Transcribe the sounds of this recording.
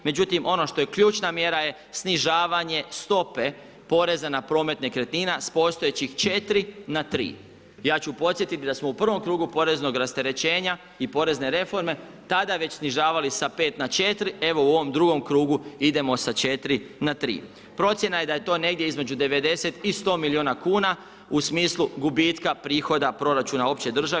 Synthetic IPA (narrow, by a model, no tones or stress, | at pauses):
me̞d͡ʑut̪imʔo̞no̞ʃt̪o̞je̞kʎuːt͡ʃnamje̞ɾaje̞ | sniʒaːʋaɲest̪o̞pe̞ | po̞ɾe̞zanapɾo̞ːme̞t̪nekɾet̪niːnaspo̞st̪ojet͡ɕixt͡ʃe̞t̪ɾinat̪ɾḭː | jaːt͡ɕupo̞t̪sje̞t̪it̪id̪asmoupr̩ʋo̞mkɾuːɡupo̞ɾe̞zno̞ɡɾast̪e̞ɾe̞t͡ɕe̞ːɲa | ipo̞ɾe̞zne̞ɾe̞fo̞ɾme̞ | t̪ad̪aʋe̞t͡ɕsniʒaːʋalisape̞ːt̪nat͡ʃe̞t̪ɾie̞ʋo̞uo̞ʋo̞md̪ɾuɡo̞mkɾuːɡuid̪e̞mo̞sat͡ʃe̞t̪ɾinat̪ɾḭː | pɾo̞t̪sjenaje̞d̪aje̞t̪o̞ːne̞ɡd̪je̞izme̞d͡ʑud̪e̞ʋe̞d̪e̞se̞t̪ist̪o̞ːmilioːnakuːna | usmiːslˠuɡubit̪kapɾiːxo̞d̪apɾo̞ɾat͡ʃuːnao̞pt͡ɕe̞d̪r̩ʒa